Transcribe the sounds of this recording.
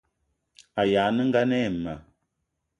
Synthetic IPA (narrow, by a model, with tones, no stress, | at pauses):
a˨jaː˨˦nə˦ŋ̩˦ɡa˦nɛ˦˨mə˨